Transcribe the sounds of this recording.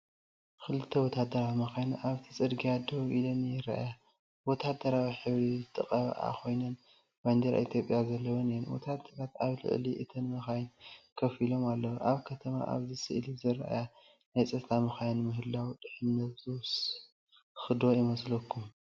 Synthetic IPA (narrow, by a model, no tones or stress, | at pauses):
kɨlɨt̪ʰːɐwɔt̪ʰad̪ɐɾawimɐxajnuʔaβt̪ʰit͡sʼɨd̪ɡiad̪oβʔilonjɪɾɐ̰ʔja | wɔt̪ʰad̪ɐɾawiħɨβɾizt̪ʰʼɨkʼɐβ̰ʔa̰kʰo̞jnɐn | b̥and̪ɐɾa̰ʔit̪ʰjo̞pʼjazɐlːɐwonijɛnwɔ̰t̪ʰad̪ɐɾat̪aβlɨ̰ʕliʔɨt̪ʰɨnmɐxajnkʰɐfilo̞malːɐwoʔaβkʰɐt̪ʰɐma̰ʔa̰βzɨsɨʔlizɨɾɐ̰ʔja | najt͡sʼɐt̪ʰamɨxajnmɨɦɨlːawt̪ʼɨħɨmnɐt̪zɨws | xɨd̪o̞jɪmɐslɐkʰːum